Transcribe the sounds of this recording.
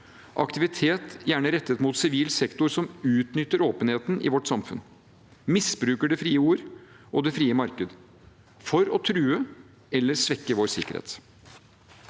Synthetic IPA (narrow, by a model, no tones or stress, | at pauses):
ʔɑ̰kt̪ɪʋɪt̪ʰeːt̪jæːɳəɾɛt̪ːət̪muːt̪sɪʋiːlsɛkt̪ʊɾsɔmʉːt̪nʏt̪ːəɾoːpənheːt̪n̩ʔɪ̰ʋɔʈːsɑmfʉ̰n | mɪsbɾʉːkəɖɛfɾiːəuːɾ | ʔɔd̪ɛfɾiːəmɑɾkəd̪ | fɔɾɔt̪ʰɾʉːə | ɛlːəɾsʋɛkːəʋoːɾsɪkːəɾhḛːt̪